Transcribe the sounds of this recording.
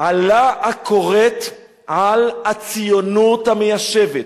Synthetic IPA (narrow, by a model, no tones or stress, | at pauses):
alaːkʰoʁet | ʕalat͡sijonut̪amejaʃevet